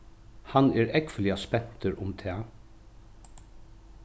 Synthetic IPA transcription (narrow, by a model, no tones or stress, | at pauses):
hanɛːɾɛkfɪlɪaspɛn̥t̪ɪɾʊmt̪ʰɛː